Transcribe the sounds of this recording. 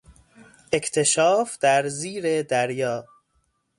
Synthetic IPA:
ʔe̞cʰt̪ʰe̞ʃɒːfd̪̥æɾziːɾed̪æɾjɒː

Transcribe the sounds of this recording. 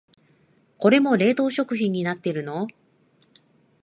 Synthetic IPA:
ko̞ɾe̞mo̞ɾe̞ːd̪o̞ːɕo̞kɯ̟çĩɲ̟ːinat̪ːe̞ɾɯ̟no̞

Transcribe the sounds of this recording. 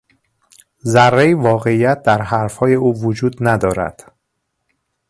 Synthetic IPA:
zærːeivɒːɣe̞ijæt̪̚d̪æɾɦæɾfhɒːje̞uːvod͡ʒuːd̪næd̪ɒːɾæ̰d̪̥

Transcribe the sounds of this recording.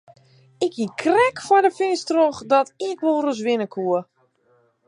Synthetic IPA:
ɪkikʰrɛkfɔdəfɪnstroxdɔtɪkʋolˠros̬ʋɪnəkʰuə

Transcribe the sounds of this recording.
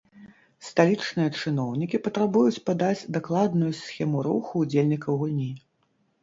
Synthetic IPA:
st̪alʲit͡ʂnɨjɐt͡ʂɨnɔwnʲikʲipɐt̪ɾabujut͡sʲpad̪ad͡zʲd̪aklˠad̪nujusʲxʲɛmuɾṵxuːd͡zʲelʲnʲikɐwɣulʲnʲi

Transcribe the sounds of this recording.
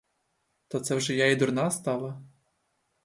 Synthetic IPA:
t̪ɔt̪sɛwʒɛjaid̪ʊrnɑst̪ɑlˠɐ

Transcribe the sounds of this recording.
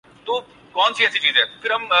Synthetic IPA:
t̪oː | kɔːnsiɛːsit͡ʃiːzɦɛːkʰɪɾɐm

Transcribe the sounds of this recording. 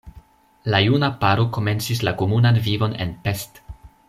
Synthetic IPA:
lajunapaɾo̞ko̞me̞nt͡sis̬lako̞munanvivo̞ne̞̰npe̞st

